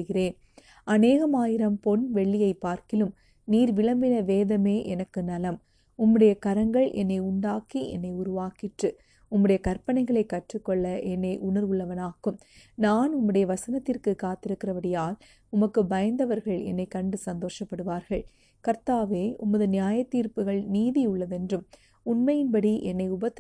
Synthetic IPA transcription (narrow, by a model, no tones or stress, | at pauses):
ɯɣɪɾeːn | ɐneːɣɐmaːjɪɾɐmpɔnʋɛɭːɪjɐɪpːaːɾkɪlɯm | niːɾʋɪɭɐmbɪnɐʋeːðɐmeːʔɛnɐkːɯnɐlɐm | ʊmːɯɽɐjɐkɐɾɐŋɡɐɭʔɛ̰nːɐɪʊɳɖaːkiɛ̰nːɐɪʊɾʊʋaːkɪʈrɯ | ʊmːɯɽɐjɐkɐɾpɐnɐɪɣɐɭɐɪkːɐʈrɯkːɔɭːɐʔɛnːɐɪʔʊɳɐɾʊɭːɐʋɐnaːkːɯm | naːnʊmːɯɽɐjɐʋɐsɐnɐt̪ːɪrkɯkːaːt̪ːɪɾɯkːɪrɐʋɐɽɪjaːl | ʊmɐkːɯbɐjɐnd̪ɐʋɐɾɣɐɭɛ̰nːɐɪkːɐɳɖɯsɐnd̪oːʂɐpːɐɽɯʋaːɾɣɐɭ | kɐɾt̪aːʋeːʊmːɐðɯnɪjaːjɐt̪ːiːɾpɯɣɐɭniːðiʊɭːɐðɛndrɯm | ʊnmɐjɪnbɐɽiʔɛnːɐɪʊbɐt̪ː